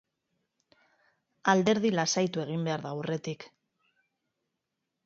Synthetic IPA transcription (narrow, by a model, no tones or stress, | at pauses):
ald̪e̞ɾð̞ilasajt̪ue̞ɣ̞imbe̞aɾðawre̞t̪ik